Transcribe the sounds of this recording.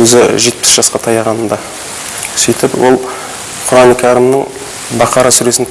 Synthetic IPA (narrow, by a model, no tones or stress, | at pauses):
ɵzɪʒe̞t̪̚pɪ̥sʒɑsqɑt̪ʰɑjɑʁɑnənd̪ɑ | sijt̪ɪpwo̞lˠ | qʰʊɾɑnkʲʰɑɾəmnə | bɑqɑɾɑsʏɾe̞sɪn